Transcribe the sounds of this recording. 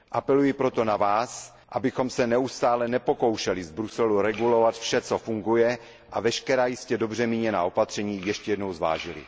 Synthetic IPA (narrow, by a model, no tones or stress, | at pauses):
ʔapɛlujɪpɾo̞t̪o̞navaːs | ʔabɪxo̞msɛnɛust̪aːlɛnɛpo̞ko̞wʃɛlɪzbɾusɛluɾɛɡulo̞vat̪fʃɛt͡sofuŋɡujɛ | ʔavɛʃkɛɾaːjɪscɛdo̞br̝ɛmiɲɛnaːo̞pat̪r̝̥ɛɲiːjɛʃcɛjɛdno̞wzva̰ːʒɪlɪ̰